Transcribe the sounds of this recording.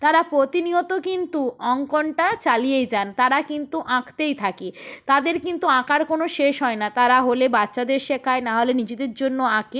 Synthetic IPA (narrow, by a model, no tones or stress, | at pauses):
t̪aɾapɾot̪iniot̪okint̪uɔŋkɔɳʈat͡ɕalijejd͡ʑant̪aɾakint̪uʔãkʰt̪ejt̪ʰakit̪ad̪eɾkint̪uãkaɾkonoʃeʃɦɔenat̪aɾaɦolebatːɕad̪eɾʃekʰaenaɦolenid͡ʑed̪eɾd͡ʑonːoãke